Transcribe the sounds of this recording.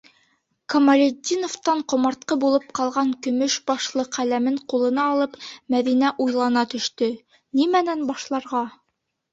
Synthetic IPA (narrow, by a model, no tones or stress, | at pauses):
komɐlʲed̪ʲinoft̪ɑɴqŏmɑɾt̪̚qɤbulˠɤp̚qɑlˠʁɑŋkɵ̆mɵʃbɑʃlˠɤqælæmɘɴqulˠɤ̆nɑːlˠɤpmæðinæʔujlˠɑnɑt̪ɵ̆ʃt̪ɵ | nimænænbɑʃlˠɑɾʁɑ